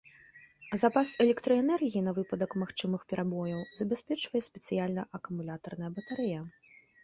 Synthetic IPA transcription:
zɐpasɛlʲɛkt̪ɾɐɛnɛrɣʲiin̪ɐvɨpɐd̪ɐkmaxt͡ʂɨmɨxpʲɛɾʔabɔjɐwzɐbʲɛsʲpʲɛt͡ʂvɐjɛsʲpʲɛt̪sɨjalʲnɐʔɐkumulʲat̪ɐrn̪ɐjɐbɐt̪aɾɛjɐ

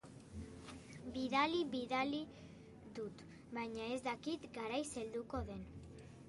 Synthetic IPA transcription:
biðaliβiðali | ðut̪ | bajɲae̞zd̪akit̪ɡaɾajse̞ld̪uko̞ðe̞n

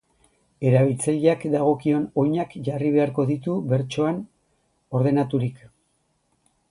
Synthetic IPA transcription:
e̞ɾaβilt͡saʎakd̪aɣ̞o̞kio̞no̞jɲakʝariβ̞e̞aɾko̞ðit̪uβe̞ɾt͡ʃo̞an | o̞ɾðe̞nat̪uɾik

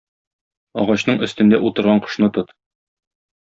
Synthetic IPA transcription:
ɒʁɑɕnɤɴɵ̆st̪ɘ̆nd̪æʔut̪ɤ̆ɾʁɑɴqɤ̥̆ʃnɤt̪ɤt̪

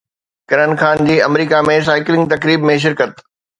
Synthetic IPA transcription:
kɐɾənxaːnd͡ʑiːɐmɾiːkamẽs̬aːɪklɪ̃ŋɡ̚t̪ɐkɾiːbmẽʃ̬ɪɾkət̪

